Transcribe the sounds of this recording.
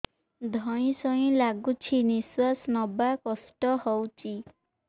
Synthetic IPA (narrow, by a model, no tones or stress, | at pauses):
d̪ʱɔj̃sɔj̃laɡut͡ʃʰiniswasnɔbakɔsʈɔhɔwt͡ʃi